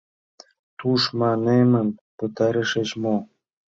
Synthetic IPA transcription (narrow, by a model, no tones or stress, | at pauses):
t̪uʃmɑnemə̆npɤ̆t̪ɑɾeʃet͡ɕmo